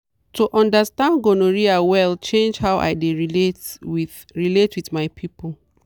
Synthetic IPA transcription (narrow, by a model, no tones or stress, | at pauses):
toʔɔ̃ndəstãndɡonoɹiawɛlt͡ʃẽnd͡ʒhawʔa̰ɪdeɹiletwi | ɹiletwiðmaɪpʰipol